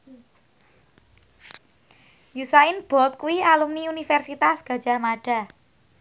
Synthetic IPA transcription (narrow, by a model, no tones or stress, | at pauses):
jusaɪnb̥ɔ̤t̪̚kuwialumniunifɛrsit̪asɡ̥ä̤d̥d͡ʒ̥a̤hmaɖ̥a̤